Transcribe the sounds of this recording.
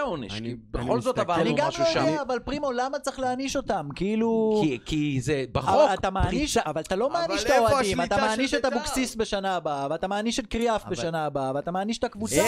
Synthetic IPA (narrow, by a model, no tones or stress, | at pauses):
onḛʃkibeχo̞lzot̪avaaniɡamʃuʃdaːvalpʁimolamat͡seχleaniʃo̞tamkiiluikizebaχvoaat̪amaːniʃavalt̪alo̞maːniʃt̪aoadimmat̪amaːniʃethabuksisbe̞ʃanaːbaveat̪amaːniʃet̚kʁiafbeʃanaːbaaveat̪amaːniʃet̪akvut͡s